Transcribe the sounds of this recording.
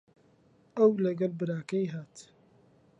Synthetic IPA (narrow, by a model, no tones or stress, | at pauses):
ʔɐwlɐɡɐlbɨɾaːkɐjɦaːt̪